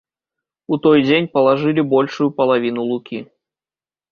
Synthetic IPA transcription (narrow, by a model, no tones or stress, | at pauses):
ut̪ɔjd͡zʲenʲpɐlˠaʐɨlʲibɔlʲʂujupɐlˠavʲinulˠukʲi